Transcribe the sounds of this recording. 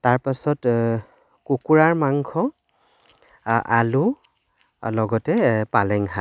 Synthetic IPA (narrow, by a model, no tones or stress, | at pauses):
taɹpasɔt | kukuɹaɹmaŋkʰɔ | a̰lu | lɔɡɔtɛpalɛŋɦa